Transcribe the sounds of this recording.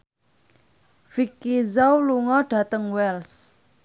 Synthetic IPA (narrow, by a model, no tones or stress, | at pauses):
v̥ikːizawluŋɔɖ̥a̤t̪əŋwɛls